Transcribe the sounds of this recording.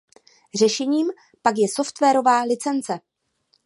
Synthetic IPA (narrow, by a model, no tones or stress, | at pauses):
r̝ɛʃɛɲiːm | pakjɛso̞ft̪vɛːɾo̞vaːlɪt͡sɛnt͡sɛ